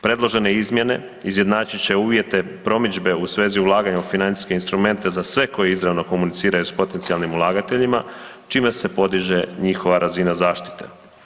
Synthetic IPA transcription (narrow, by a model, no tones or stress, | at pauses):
pɾe̞d̪lˠo̞ʒe̞ne̞izmje̞ne̞̰ | izje̞d̪naːt͡ɕit͡ɕe̞uːʋje̞t̪e̞pɾo̞mid͡ʒbe̞usʋe̞ːziulˠaːɡaɲaufinansi̥ske̞inst̪ɾume̞nt̪e̞zasʋe̞ko̞jeizɾaʋno̞ko̞munit̪siːɾajuspo̞t̪e̞nt̪sijalˠnimulˠaːɡat̪e̞ʎima | t͡ʃiːme̞se̞po̞d̪iʒe̞ɲixo̞ʋaɾazinazaːʃt̪i̥t̪e̞̰